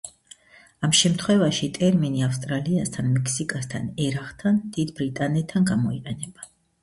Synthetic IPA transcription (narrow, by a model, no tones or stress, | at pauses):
amʃɛmt̪ʰχwɛvaʃit̪ʼɛɾminiafst̪ʼɾaliast̪ʰanmɛkʰsikʼast̪ʰa̰nɛɾaχt̪ʰand̪̥id̪bɾit̪ʼanɛt̪ʰːanɡamɔiqʼɛnɛb̥a